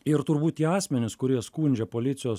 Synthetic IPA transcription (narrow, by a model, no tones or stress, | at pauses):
ɪɾt̪ʊɾbuːt̪t̪ʲiɛɑːsʲmʲɛnʲɪskʊɾʲiɛskuːnʲd͡ʒʲɛpoːlʲɪt̪sʲɪjoː